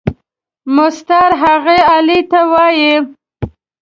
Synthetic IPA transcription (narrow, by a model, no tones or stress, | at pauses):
mʊst̪ɑɾɦaɣeɑlit̪awɑji